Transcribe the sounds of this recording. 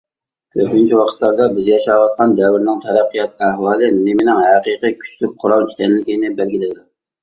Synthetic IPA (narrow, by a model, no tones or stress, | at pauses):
kʲʰøɾpʲɪnt͡ʃʰiwɑqʰə̥t̪lˠɑɾd̪ɑbɪzjɑʃɑwɑt̪̚qɑnd̪ɛwɪɾnɪŋt̪ʰɛɾæqːijɑt̪̚æhwɑːlˠɨnɪmɪnɪŋɦæqiːqijkʲʰy̥t͡ʃlyk̚ʲqʰʊɾɑlˠikʲʰɛnɪlɪkʲinɪbɛlɡʲilɪd̪ʊ